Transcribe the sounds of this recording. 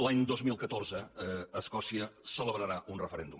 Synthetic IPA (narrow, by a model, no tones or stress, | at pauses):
laɲd̪ozmilˠkət̪orzəːskɔsiəsələβɾəɾaʔunrəfəɾɛnd̪um